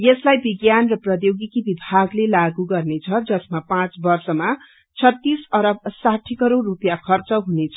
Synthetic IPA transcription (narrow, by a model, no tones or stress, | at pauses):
jeslajbiɡjanrʌprʌjoɡikibibʱaɡlelaɡuɡʌrnet͡sʰʌd͡zʌsmapãt͡sbʌrsʌma | t͡sʰʌt̪ːisʌɾʌb̚saʈʰikʌɾoːupjakʰʌrt͡sʌɦunet͡sʰʌ